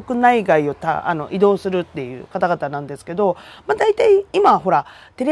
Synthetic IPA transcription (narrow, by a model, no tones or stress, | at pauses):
okɯ̟naiɡaio̞t̪a̰a̰no̞̰ʔid̪o̞ːsɨɾɯ̟t̪ːe̞jɯ̟̰ːkat̪aɡat̪anãnd̪e̞sɨ̥ke̞d̪o̞mad̪ait̪aiimaɦo̞ɾa | t̪e̞ɾʲi